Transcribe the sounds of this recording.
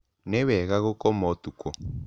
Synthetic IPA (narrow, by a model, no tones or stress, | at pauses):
nɛwɛɣaɣɔkɔmɔt̪ukɔ